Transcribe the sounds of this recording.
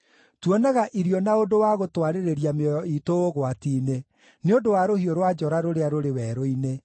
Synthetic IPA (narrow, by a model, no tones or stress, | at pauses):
twɔnɛɣaʔiɾiɔnaodowaɣotwaɾeɾeɾiameɔjɔitooɣwatiːne | neondowaɾohioɾwad͡ʒɔɾaɾoɾeaɾoɾewɛːɾoine